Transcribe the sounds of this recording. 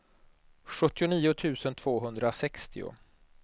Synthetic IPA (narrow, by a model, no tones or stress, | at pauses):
ɧɵt̪ːɪʊniːʊt̪ʰʉ̟ːsənt̪ʰv̥oːɦɵnd̪ɾasɛkst̪ɪ̰ʊ̰